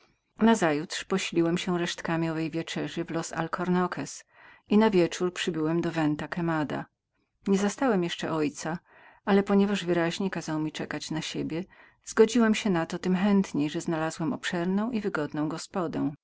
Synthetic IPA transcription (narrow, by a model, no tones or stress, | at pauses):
nazajut̪ʂpɔɕlʲiwɛmɕɛɾɛʂt̪kamʲiɔvɛjvʲjɛt͡ʂɛʐɘvlɔsa̰lkʰɔɾnɔkʰɛs | inavʲjɛt͡ʂuɾpʂɘbɘwɛmd̪ɔvɛnt̪akɛmad̪a̰ | ɲɛzast̪awɛmjɛʂt͡ʂɛʔɔjt̪sa | alɛpɔɲɛvaʐvɘɾaʑɲekazawmʲit͡ʂɛkat͡ɕnaɕebʲjɛ | z̥ɡɔd͡ʑiwɛmɕɛnat̪ɔt̪ɘmxɛnt̪ɲejʐɛznalazwɛmɔpʂɛɾnɔ̃w̃ʔivɘɡɔd̪nɔ̃w̃ɡɔspɔd̪ɛ̃w̃